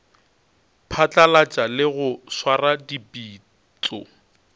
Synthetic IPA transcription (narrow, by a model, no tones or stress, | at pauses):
pʰat͡ɬʼalat͡ʃʼalɪɣʊswaradibiː | t͡sʼɔ̰